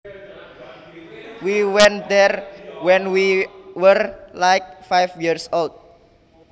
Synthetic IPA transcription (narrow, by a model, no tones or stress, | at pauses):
wiwɛ̃nd̪ɛrwɛ̃nwiwərlajk̚fajfjirsolt̚